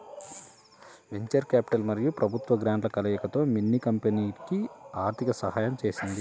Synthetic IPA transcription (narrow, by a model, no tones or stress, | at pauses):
ʋe̞ɲt͡ʃɐɾkaːpi̥ʈɐlmɐɾijupɾɐbʱut̪ʋɐɡɾaːɳʈlɐkɐlɐjɐkɐt̪o̞ːminːikɐmpeniːkiaːɾt̪ʰikɐsɐɦaːjɐmt͡ʃe̞ːsind̪i